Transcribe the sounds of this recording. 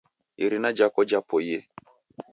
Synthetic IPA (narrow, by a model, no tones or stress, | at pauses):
iɾinad͡ʒakɔd͡ʒapɔje